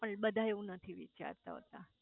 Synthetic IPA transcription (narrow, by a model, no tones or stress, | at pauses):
pəɳɓəd̪ʱaeʋũnət̪ʰiʋḭt͡ʃa̰ɾt̪a̰ɦə̰t̪a